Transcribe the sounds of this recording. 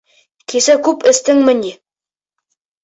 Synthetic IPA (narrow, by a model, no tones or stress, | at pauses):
kʰisækʉpɘ̆st̪ɘŋmɘ̆ni